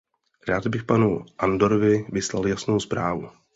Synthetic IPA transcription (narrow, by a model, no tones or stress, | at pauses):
ɾaːd̪bɪxpanuʔand̪oɾovɪvɪslaljasnowspɾaːvu